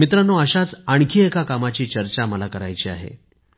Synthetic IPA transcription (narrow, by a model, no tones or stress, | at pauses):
mit̪ɾanːoəɕat͡saɳ̃kʰiːekakamat͡ɕiːt͡ɕəɾt͡ɕaməlakəɾa̰jt͡ɕiːa̰ɦḛ